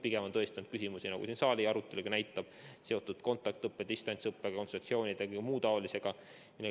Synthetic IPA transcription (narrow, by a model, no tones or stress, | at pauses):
piɡ̥emɑnt̪ɤest̪ɑnd̪̥̚kys̬ʲimusinɑ̰ɡṵsinsɑːlʲiɑɾut̪ːˑe̞luɡ̥ɑnæjt̪ːˑɑb̥se̞o̞t̪ːˑud̪̥ko̞nt̪ːˑɑk̚t̪ɤpːed̪̥ist̪ɑnsɤpːeɡɑko̞nsosio̞ːnʲid̪eɑkɯɡmuːd̪ɑolise̞ɡ̥ɑ | mile